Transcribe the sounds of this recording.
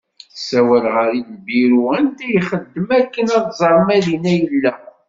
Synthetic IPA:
θsæwælʁəɾinbiɾuənd̪æjχəd̪ːəmækːənɑðˤzˤɑɾˤmæðinæjəlːæ

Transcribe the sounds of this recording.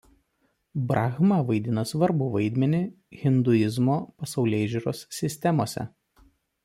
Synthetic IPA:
bɾʔɑːɣmɐʋɐɪd̪ʲɪnɐsʋɐɾbʊʋɐɪd̪ʲmʲɛnʲɪ | ɣʲɪnd̪ʊɪzmoːpɐsɒʊlʲeːʒʲuɾoːsːʲɪsʲt̪ʲɛmoːsʲɛ̰

